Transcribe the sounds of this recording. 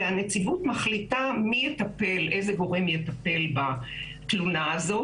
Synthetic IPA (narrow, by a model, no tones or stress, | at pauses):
anet͡sivut̪maχlitamijet̪ape̞lʔejzeɡo̞ʁe̞mjet̪ape̞lba | t̪lunaːzo̞